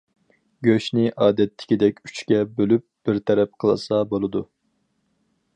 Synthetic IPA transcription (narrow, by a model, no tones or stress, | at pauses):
ɡʲøʃnɪʔɑːd̪ɛt̪ʰːɪ̥kʲid̪ɛkʲy̥t͡ʃkʲɛbølyp̚b̥ɪɾt̪ʰɛɾɛp̚qʰəlˠɨ̰sɑbolˠɨd̪u